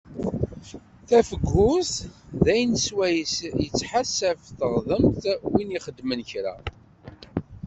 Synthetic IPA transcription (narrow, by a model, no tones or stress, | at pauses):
θæfəɡːʊθðæjnswæjsjət͡sːħasævθəʁðˤəmt̪winiχəd̪mənçɾa̰